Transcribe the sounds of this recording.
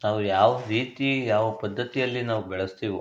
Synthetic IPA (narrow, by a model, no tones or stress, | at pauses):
naːʋujaːʋɐɾiːt̪ijaːʋɐpɐd̪ʱːɐt̪ijɐlːinaːʋubɛɭɐst̪iːʋi